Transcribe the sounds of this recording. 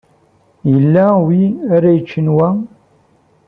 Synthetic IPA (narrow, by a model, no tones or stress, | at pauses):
jəlːæwiæɾæjət͡ʃːənwæ